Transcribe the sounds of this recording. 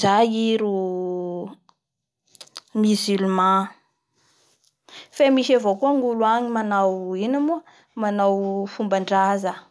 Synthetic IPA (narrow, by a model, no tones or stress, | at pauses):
zajiɾu | miziluma | femiʃavokuaŋuluaɲimanawinamu | manawfumbaɳɖ͡ʐazə